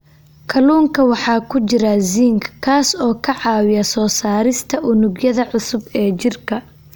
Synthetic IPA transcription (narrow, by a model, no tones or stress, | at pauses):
kʰɐluːŋkʰɐwɑħɑːkʰʊt͡ʃɪɾɐziːŋkʰkʰaːsɔːkʰɐʕɑːwɪjɐsɔːsaːɾɪst̪ʰɐʔʊnʊɡjɐðɐʕʊsʊbɛːt͡ʃɪrkʰɐ